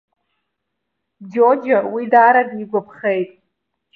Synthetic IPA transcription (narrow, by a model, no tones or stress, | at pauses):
d͡ʒod͡ʒawidaːɾadiɡʷapʰχejtʼ